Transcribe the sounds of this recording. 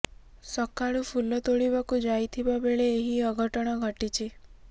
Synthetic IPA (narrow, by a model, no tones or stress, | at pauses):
sɔkaɭupʰulɔt̪oɭibakud͡ʒajt̪ʰibabeɭeːɦiəɡʱɔʈɔɽ̃ɔɡʱɔʈit͡ʃʰi